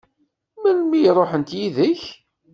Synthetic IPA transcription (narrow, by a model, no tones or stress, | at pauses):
mænmijɾˤoħənt̪jiðəç